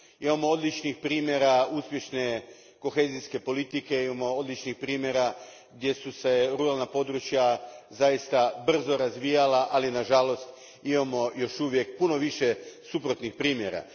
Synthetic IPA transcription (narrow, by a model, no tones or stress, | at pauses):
imamood̪lit͡ʃnixpɾiːmje̞ɾauspjeʃne̞ | ko̞xe̞ːziske̞po̞lit̪ike̞imamo̞od̪lit͡ʃnixpɾiːmjeɾa | ɡd̪je̞suse̞ɾuɾalˠnapo̞d̪ɾut͡ʃjazajist̪abr̩zo̞ɾazʋiːjalaʔalinaʒalo̞st̪ | imamo̞jo̞ʃuʋje̞k̚puno̞ʋiʃe̞supɾo̞t̪nixpɾiːmje̞ɾa̰